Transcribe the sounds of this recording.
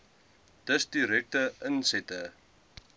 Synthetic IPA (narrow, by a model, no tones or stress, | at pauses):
d̥əsdiɾɛk̚təʔənsɛtə